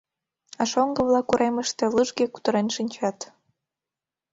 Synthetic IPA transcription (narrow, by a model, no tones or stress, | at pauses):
ɑʃoŋɡəβlɑkuɾeməʃt̪elɨʒɡeku̥t̪ə̆ɾenʃinʲt͡ɕɑt̪